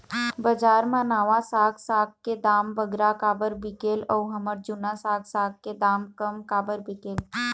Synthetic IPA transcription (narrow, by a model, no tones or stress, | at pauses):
bəd͡ʒaːɾmãnaːʋasaːɡsaːk̚kːed̪aːmbəɡɾakaːbəɾbɪkeːlɔːɦɐməɾd͡ʒʊnasaːɡsaːɡ̚ked̪aːmkəmkaːbəɾbɪkeːl